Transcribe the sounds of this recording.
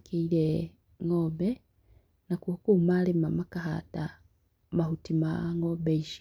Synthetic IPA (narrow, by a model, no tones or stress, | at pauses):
kiile | ŋobe | nakukumalemamakaɦa̰ta | mahutimaŋobeiʃi